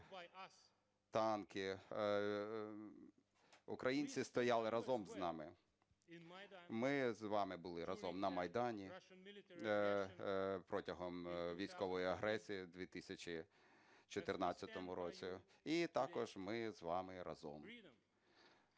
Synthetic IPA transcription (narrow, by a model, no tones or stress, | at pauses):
t̪ɑnkɪ | ʊkɾɐjinʲt͡sʲist̪ɔjɑlˠɪɾɐzɔmznɑmɪ | mɪzʋɑmɪbʊlˠɪɾʔɐzɔmnɐmɐjd̪ɑnʲi | pɾɔtʲɐɦɔmʋʲijsʲkɔʋɔjiɐɦɾɛsʲijid̪ʲʋʲit̪ɪsʲɐt͡ʃʲi | t͡ʃɔt̪ɪrnɑt͡sʲt͡sʲːɐt̪ɔmʊɾɔt͡sʲiit̪ɑkɔʒmɪzʋɑmɪɾɐ̰zɔ̰m